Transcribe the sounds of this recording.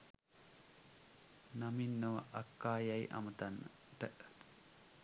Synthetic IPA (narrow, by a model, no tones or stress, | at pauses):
naminːoʋa̰ʔakːaːjajʔa̰mət̪anːə | ʈəʔ